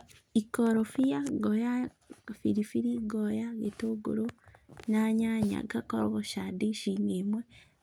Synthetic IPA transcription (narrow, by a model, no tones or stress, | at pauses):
ikoɾofijaɡoja | fiɾifiɾiɡojaɡetoɡṵɾonaɲaɲa̰ɡakoɾoɣoʃadiʃiːŋeːmwe